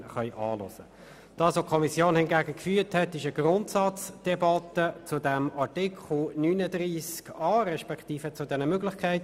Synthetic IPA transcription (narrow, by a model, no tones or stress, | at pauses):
χœʏʔɑ̰ːlɔ̰sə | d̥ɑːsʋokʰɔmisjoːnhɪnɡæːɡəkfyːthɛtɪʃəɡrʊntsɑt͡sd̥ɛbɑtət͡sʊdɛmɑɹtɪkχl̩nyːnədriːskɑːɾɛʃpɛkχtiːfət͡sʊdɛnəmøɡlɪχkʰæɪt